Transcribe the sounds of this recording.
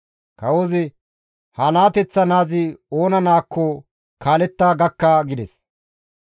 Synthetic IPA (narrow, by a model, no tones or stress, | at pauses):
kɐwɔzɪ | hɐnaːt̪ɛt͡sːɐnaːzɪoːnɐnaːkʰːɔ | kʰaːlɛt̪ːaːɡɐkːaɡɪd̪ɛs